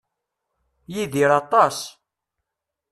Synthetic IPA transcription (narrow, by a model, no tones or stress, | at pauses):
jiðiɾɑt̪ˤɑs